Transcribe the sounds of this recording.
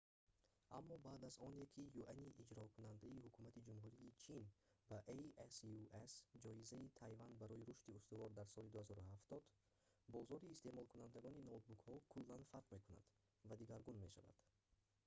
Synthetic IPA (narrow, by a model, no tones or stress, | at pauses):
ʔamːɔbaːd̪azɔnekʰijuʔaniʔːd͡ʒɾɔkʰunand̪aihukʰumat̪ʰid͡ʒumɦuɾiːt͡ʃʰinb̥aʔeʔesuesd͡ʒɔizait̪ʰajvand̪baɾɔiɾuʃt̪iust̪uvɔɾd̪aɾsɔlid̪uhazɔɾuhaft̪ɔd̪̥ | bɔzɔɾiːst̪e̞mɔlˠkʰunand̪aɡɔninot̪̚bukhɔkʰulːanfaɾqme̞kuna̰d̪̥ | vad̪iɡaɾɡunme̞ʃava̰d̪̥